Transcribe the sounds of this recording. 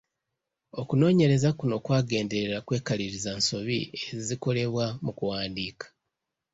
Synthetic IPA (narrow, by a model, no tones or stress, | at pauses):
o̞kuno̞ːɲe̞ɾe̞zakuno̞ːkwaːɡe̞ːnde̞ɾeɾakwe̞ːkaliɾizanso̞βieziko̞le̞βwamukuwaːndiːkḁ